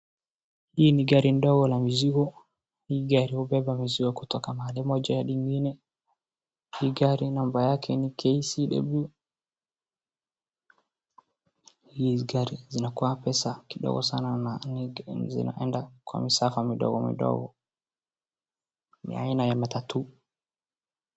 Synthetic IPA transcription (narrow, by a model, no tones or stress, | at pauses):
hiːniɡaɾindɔɡɔlamiziɡɔ | hiːɡaɾihubɛbamiziɡɔkutɔkamaalɛmɔd͡ʒajaɗiŋɡinɛ | hiːɡaɾinambajakʰɛnikʰɛisiɗɛ̰bu | jizɡaɾizinakɔapɛsakiɗɔ̰ɡɔ̰sanana | zḭna̰ʔɛndakwa̰misafamiɗɔ̰ɡɔmḭɗɔ̰ɡɔ̰ | mḭa̰inajamatatu